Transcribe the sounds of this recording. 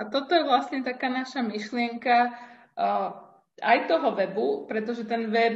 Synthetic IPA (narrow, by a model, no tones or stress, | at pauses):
at̪ɔt̪ɔjɛʋlast̪ɲɛt̪akaːnaʃamiʃlɪɛŋka | ajt̪ɔɦɔʋɛbupɾɛt̪ɔʒɛt̪ɛnʋɛb